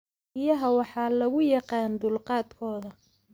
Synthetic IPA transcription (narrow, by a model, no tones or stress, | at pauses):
ɪjɐɦɐwɑħɑːlɐɣʊjɑqɑːnd̪ʊlqɑːd̪kʰɔːðɐ